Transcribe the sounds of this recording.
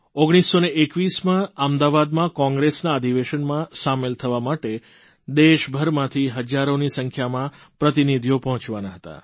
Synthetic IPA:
oɡɽ̃isːoneekʋismãamd̪aʋad̪mãkɔ̃ŋɡɾesnaəd̪ʱiʋeʃənmãsamelt̪ʰəʋamaʈe | d̪eʃbʱəɾmãt̪ʰiɦəd͡ʒaɾonisəŋkʰjamã | pɾət̪inid̪ʱijopəɦɔ̃t͡ʃʋanaɦət̪a̰

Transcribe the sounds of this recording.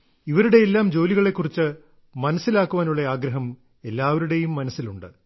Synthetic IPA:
iʋɐɾuɽe̞elːaːmd͡ʑo̞ːliɣɐɭekːurit͡ɕːɨ | mɐnɐsːilaːkːuʋaːnuɭːɐaːɡɾɐɦɐm | e̞lːaːʋɐɾuɽe̞jumːɐnɐsːiluɳɖɨ

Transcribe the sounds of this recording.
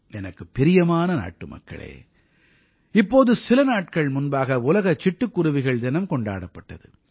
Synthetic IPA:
ɛnɐkːɯpːɪɾɪjɐmaːnɐna̰ːʈːɯmɐ̰kːɐ̰ɭḛː | ɪpːoːðɯsɪlɐnaːʈkɐɭmʊnbaːɣɐʊlɐɣɐt͡ʃːɪʈːɯkːʊɾɯʋɪɣɐɭd̪ɪnɐmkɔɳɖa̰ːɽɐpːɐʈːɐ̰ðɯ̰

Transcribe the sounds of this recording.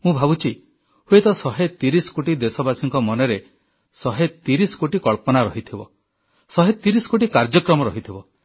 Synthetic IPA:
mũbʱabut͡ʃʰi | huet̪ɔsɔɦet̪iɾisɔ̥koʈid̪esɔbasiŋkɔmɔnɔɾe | sɔɦet̪iɾisɔ̥koʈikɔɭpɔnaɾɔɦit̪ʰibɔ̰ | sɔɦet̪iɾisɔ̥koʈikaɾd͡ʒɔkɾɔmɔɾɔɦit̪ʰibɔ

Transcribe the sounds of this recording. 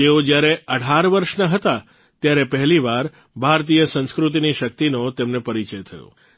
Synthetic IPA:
t̪eod͡ʒjaɾeəɽ̤ʱaɾʋəɾʃnaɦət̪a | t̪jaɾepəɦliʋaɾ | bʱaɾt̪ijəsə̃ñskɾut̪̬iniʃək̚t̪inot̪emnepəɾit͡ʃəjt̪ʰəjo̰

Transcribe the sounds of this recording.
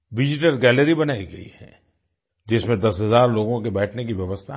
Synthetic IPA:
ʋɪd͡ʒɪʈəlɡɛːləɾibɐnaːiɡɐḭhɛ̰ː | d͡ʒɪsmẽd̪ɐsɦɐzaːɾloːɡõkebɛːʈʰnekiʋjɐʋəst̪ʰa

